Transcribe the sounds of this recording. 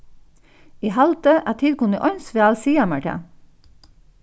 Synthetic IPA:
iːhɑlt̪əʔæːt̪ʰɪlkʊnəʔɔʏnsʋeːɑlsiːɑmɑʈæ̰

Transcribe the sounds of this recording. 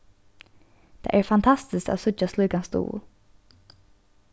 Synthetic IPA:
d̪̥ḛːʔæːɹfɑnt̪ʰɑst̪ɪsko̰ːsʉt͡ʃaslɔɡɑnsd̪ṵː

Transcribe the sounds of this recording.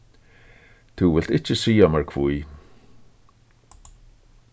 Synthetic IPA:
t̪ʰuwɪlt̪ɪt͡ʃəsiːamaɹkʰv̥ui

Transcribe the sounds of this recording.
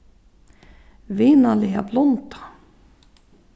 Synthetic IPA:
viːnaliːa̰blɔnt̪ʰḁ

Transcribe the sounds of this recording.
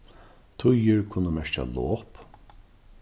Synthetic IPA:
t̪ʰʊjəɹkʰʊnːəmɛɹt͡ʃa̰loːp

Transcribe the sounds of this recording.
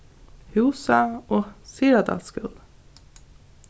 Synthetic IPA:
hʉːsəoːsiːɾɑd̪ɑ̰skʉ̰l

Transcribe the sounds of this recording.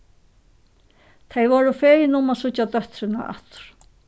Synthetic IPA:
t̪ʰejʋɔːɾʊfeːjɪnʊmasʊad̪œht̪ɾɪna̰ʔa̰ht̪ʏ̥ɾ̥

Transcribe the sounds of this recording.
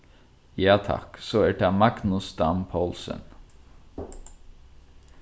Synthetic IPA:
jɑːt̪ʰɑ̰ksoːæːʈɑːmɑɡnʊst̪ɑnpʰolsə̰n

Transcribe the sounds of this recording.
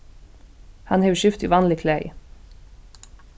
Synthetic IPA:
hɑnheːʋʉʃʏft̪ʰḭːʋɑːnlɪkʰlæɪ

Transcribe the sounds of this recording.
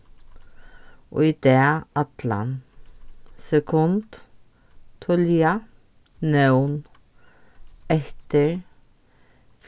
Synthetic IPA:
ʔo̰ːɪd̪̥eːʔɑt̪lɑ̰n | sɛkʰʊnd̪̥ | t̪ʰɔljɑ | nœwn | ɛht̪əɹ | f

